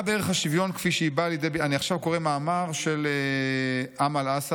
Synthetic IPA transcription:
beeʁeχhaʃivjo̞nkfiʃeibaːljed̪ebeaniaχʃavko̞ʁemaːmaʁʃele | ʔamalas

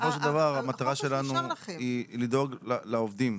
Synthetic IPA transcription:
sofo̞ʃ̬eld̪avaʁamat̪aʁaʃe̞lanuilid̪oɡlalaovd̪im

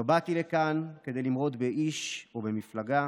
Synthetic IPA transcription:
bat̪ilekanked̪ejlimʁo̞t̪be̞ʔiʃobe̞miflaɡa

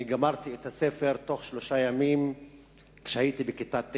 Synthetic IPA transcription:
iɡamaʁt̪iethasefeʁt̪o̞χʃloʃajamim | kʃehajitibekitat

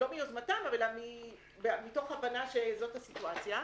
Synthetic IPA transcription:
lo̞miozmatamavelami | bemito̞χavanaʃezo̞thasituat͡sja

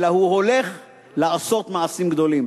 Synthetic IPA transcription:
lahuho̞le̞χ | laaso̞t̪maasimɡd̪o̞lim

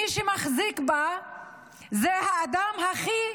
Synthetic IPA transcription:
iʃɛmaχzikba | zehaːd̪amɦaχi

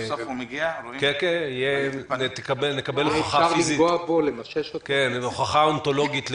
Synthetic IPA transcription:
fɡiakekeijent̪kabelnekabelaχaafiliziɡoabolemaʃeʃakenχaχaonto̞loɡit̪l

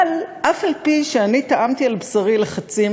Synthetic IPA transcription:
lʔafalpiʃeanit̪aʔamt̪ialbsaʁileχat͡si

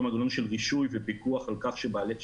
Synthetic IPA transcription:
maɡanonʃelʁiʃujvepikuaχalkaχʃebaːle

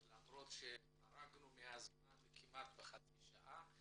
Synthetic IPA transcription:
lamɾo̞t̪ʃe | aɾaɡnumeaz | anvekʰimʔat̪̚beχat͡siʃa̰ʔa

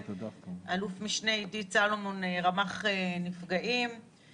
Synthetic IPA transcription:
tdaʔalufmiʃneidit͡salomoneʁamaχenifɡaʔim

